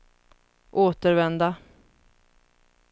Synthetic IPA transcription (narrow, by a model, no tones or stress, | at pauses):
ʔoːt̪əɾvɛnd̪a